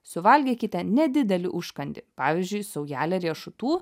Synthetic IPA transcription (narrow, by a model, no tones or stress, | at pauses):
sʊʋɐlʲɡʲiːkʲɪt̪ʲɛnʲɛd̪ʲɪd̪ʲɛlʲɪʔʊʃkɐnʲd̪ʲɪpɑːʋʲɪzʲd͡ʒʲʊɪsɐʊjæːlʲɛɾʲiɛʃʊt̪uː